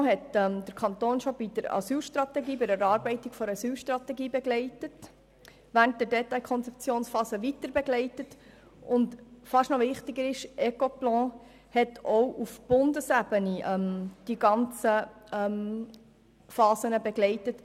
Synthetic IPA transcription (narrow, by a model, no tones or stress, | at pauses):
ɦɛtɛmd̪̥əɾkʰɑntoːnʃɔbid̥əɾɑ̰syːlʃtrɑtɛɡiːbɪɾæɾɑːɾbɛɪtɪɡ̥fɔɾɑsyːlʃtɾɑt̪ɛɡiːbɛɡlɛɪtət | ʋæːɾnt̚d̥ədɛtːɑɪkʰɔnt͡sɛp̚t͡sjoːnsfɑːsəʋitəɾbɛɡlɛɪtət | ʊntfɑʃnɔʋɪχtɪɡəɾɪʃʔɛkɔplɑ̃ː | hɛtʰɔwʔufb̥ʊndəsæbəniʔɛmd̥iɡɑnt͡səɛm | fɑːzənəbɛɡlɛɪtət